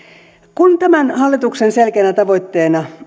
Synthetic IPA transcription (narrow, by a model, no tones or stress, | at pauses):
kunt̪æmænhɑlːit̪uksenselkeænæt̪ɑʋo̞it̪ːeːnɑ